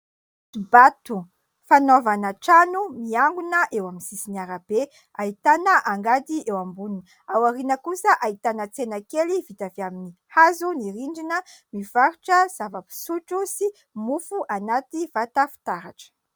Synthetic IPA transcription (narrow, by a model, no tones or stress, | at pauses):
t̪ubat̪u | fanovanaʈ͡ʂanumiaŋɡunəʔewaminsisinaɾab̥e | ait̪anəʔaŋɡad̪iewambunin | awaɾinəkusəʔait̪anət͡senakelivit̪aveaminihazuniɾiɳɖ͡ʐinəmivaɾuʈ͡ʂəz̥avapi̥suʈ͡ʂusi | mufuʔanat̪iv̥at̪afi̥t̪aɾaʈ͡ʂə̥